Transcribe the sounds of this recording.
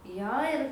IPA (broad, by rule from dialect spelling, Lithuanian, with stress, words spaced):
ˈjoː ɪr